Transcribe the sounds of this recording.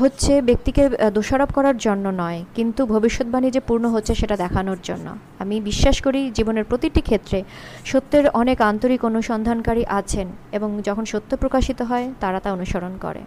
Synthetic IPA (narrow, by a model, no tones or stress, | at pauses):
ɦotːɕʰebek̚t̪iked̪oʃaɾob̚kɔɾaɾd͡ʑonːonɔekint̪ubʱobiʃːot̪̚banid͡ʑepuɾnoɦotːɕʰeʃeʈad̪ɛkʰanoɾd͡ʑo̰nːo̰ | amibiʃːaʃkoɾid͡ʑiboneɾpɾot̪iʈikʰet̪ːɾe | ʃot̪ːeɾɔnekant̪oɾikonuʃɔnd̪ʱankaɾiʔat͡ɕʰeneboŋd͡ʑɔkʰonʃot̪ːopɾokaʃit̪oɦɔet̪aɾat̪aonuʃoɾonkɔ̰ɾḛ